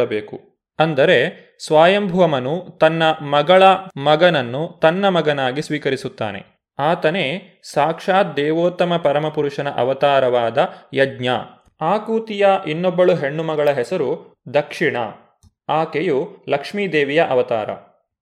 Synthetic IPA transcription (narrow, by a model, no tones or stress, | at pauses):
ɐbeːku | ɐnd̪ɐɾe̞ | sʋaːjɐmbʱɐʋɐmɐnut̪ɐnːɐmɐɡɐɭɐmɐɡɐnɐnːut̪ɐnːɐmɐɡɐnaːɡisʋiːkɐɾisut̪ːa̰ːne̞̰ | aːt̪ɐneː | saːkʂaːt̪̚d̪ɛːʋoːt̪ːɐmɐpɐɾɐmɐpuɾuʂɐnɐʔɐ̰ʋɐt̪aːɾɐʋaːd̪ɐjɐdɲa̰ | aːkuːt̪ijɐʔinːɔbːɐɭuɦeɳːumɐɡɐɭɐɦɛsɐɾud̪ɐkʂiɳɐ̰ | aːkejulɐkʂmiːd̪eːʋijɐʔɐʋɐt̪a̰ːɾɐ̰